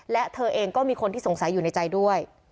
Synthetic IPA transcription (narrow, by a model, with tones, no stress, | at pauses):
lɛ˦˥t̪ʰɤː˧ʔeː˧ŋkɔː˥˩miː˧kʰo˧nt̪ʰiː˥˩so˨˩˦ŋsa˩˦jːuː˨˩na˧jt͡ɕa˧jdu˥˩əj